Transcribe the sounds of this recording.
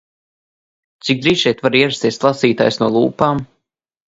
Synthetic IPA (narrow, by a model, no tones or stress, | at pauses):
t̪sik̚d̪ɾiːʃʲɛjt̪vaɾiɛɾast̪ʲiɛsʲlˠasiːt̪a̰ːjsnuɔlˠuːpaːm